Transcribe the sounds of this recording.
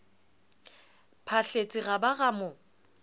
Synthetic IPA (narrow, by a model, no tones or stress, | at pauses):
pʰaɬet͡sʼɪɣabaɣamʊ